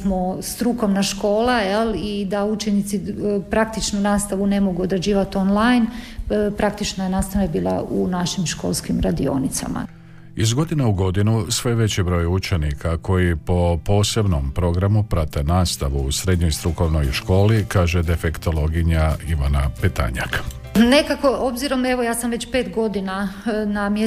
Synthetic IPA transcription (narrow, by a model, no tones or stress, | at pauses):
most̪ɾuko̞ʋnaʃko̞ːlˠajelid̪aut͡ʃenit̪sipɾak̚t̪it͡ʃnunaːst̪aʋune̞mo̞ɡuod̪ɾed͡ʑiːʋat̪o̞nlˠajnpɾakt̪it͡ʃnojenaːst̪aʋnabiːlˠa̰ʔunaʃimʃko̞̰ːlˠskimɾad̪io̞̰nit̪sa̰ma̰ | izɡo̞d̪ineuɡo̞d̪inusʋeʋe̞t͡ɕibɾo̞ːjut͡ʃenikʰako̞jipo̞po̞ːse̞bno̞mpɾo̞ɡɾamupɾat̪e̞naːst̪aʋuːsɾe̞d̪ɲojst̪ɾuko̞ʋno̞jʃko̞ːlikaːʒed̪e̞fekt̪o̞lo̞ɡiɲaiʋanapet̪a̰ɲa̰k | nekako̞ʔobziɾo̞me̞ʋojaːsamʋe̞t͡ɕpeːt̪ɡo̞d̪inanamje